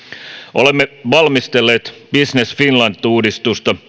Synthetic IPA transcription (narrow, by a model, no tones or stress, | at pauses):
ʔo̰lemːeʋɑlmist̪elːeːt̪b̥isnesfinlɑnt̪ˑːuːdist̪ust̪ɑ